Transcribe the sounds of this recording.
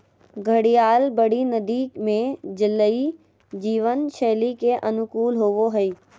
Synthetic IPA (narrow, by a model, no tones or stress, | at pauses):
ɡʱəɽijaːlbəɽinəd̪iːkmẽd͡ʒɪlːəi | d͡ʒiːʋənʃeːlikeʔənʊkuːlɦoːʋoɦəiː